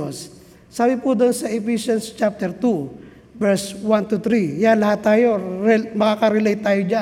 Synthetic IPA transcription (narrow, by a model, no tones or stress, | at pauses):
osː | aːbɪpud̪onsɐʔɛpisjonst͡ʃap̚t̪ɛɾt̪u | vɛɹswant̪ut̪ɾijanlɐhat̪ːaːjoɾɛmɐkakɐɾɛlɛjt̪ːaːjod͡ʒa